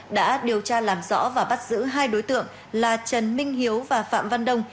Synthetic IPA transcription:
ɗa̰ː˧˥ɗi˨˩əwt͡ɕaː˧laː˨˩mzɔ̰˧˥vaː˨˩ɓa˦˥t̚z̥ɨ̰˧˥ɦaː˧jɗo˨˦jt̪ɨ̰˧˨əŋ | laː˨˩t͡ɕə˨˩nmï˧ŋ̟ɦi˨˦əwvaː˨˩fa̰ː˧˨mva˧nɗə˧wŋ͡m

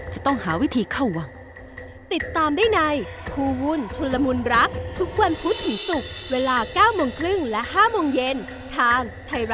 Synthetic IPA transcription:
t͡ɕa˨˩t̪ɔ˥˩ŋhaː˩˦wi˦˥t̪ʰiː˧kʰa˥˩wwa˧ŋ | t̪i˨˩t̪ːaː˧mdaː˥˩jna˧jkʰuː˧wu˧˥nt͡ɕʰu˧lːa˧mu˧nɾa˦˥k̚t̪ʰu˦˥k̚wa˧npʰu˦˥t̪̚ʰːi˩˦su˨˩k̚weː˧laː˧kaː˥˩wmoː˧ŋkʰlɯ˥˩ŋlɛ˦˥ʔɦaː˥˩mo˧ŋje˧n | t̪ʰaː˧ŋt̪ʰa˧jɾ

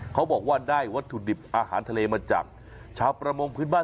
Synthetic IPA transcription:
kʰa˦˥wbɔː˨˩k̚waː˥˩daː˥˩jwa˦˥t̪ʰːu˨˩di˨˩p̚ʔaː˧ha̰ː˩˦nt̪ʰa˧leː˧maː˧t͡ɕa̰˨˩m̚ | t͡ɕʰaː˧wpɾa˧mo˧ŋpʰɯː˦˥nbaː˥˩

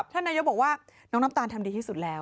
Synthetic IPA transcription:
p̚t̪ʰa˥˩nːaː˧jo˦˥bɔː˨˩k̚waː˥˩nɔː˦˥ŋna˦˥t̪aː˧nt̪ʰa˧mdiː˧t̪iː˥˩su˨˩lɛː˦˥

